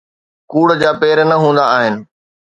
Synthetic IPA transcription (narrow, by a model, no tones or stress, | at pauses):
kuːɽd͡ʑaːpeːɾnɐɦũːn̆d̪aaːɦɪnɪ̆